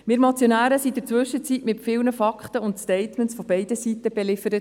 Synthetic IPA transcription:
mɪːɾmɑt͡sjonæːɾəsid̪əɾt͡sʋɵʃːət͡sitmɪtfɪːlnəfɑkχt̪əʊntstɛɪt̪mənsfɔb̥ɛɪdəsitːəb̥ɛlɪfəɾət

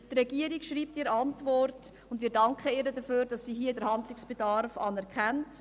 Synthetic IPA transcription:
trɛɡiəɾikʃɾiːp̚tiɾəɑntvɔrt | ʊndmiːɾdɑŋkχəɪːɾədəføːɾd̥ɑsːiːɦiːədəɾhɑndlɪksb̥edɑɾfɑ̰ːnɛɾkχɛnt

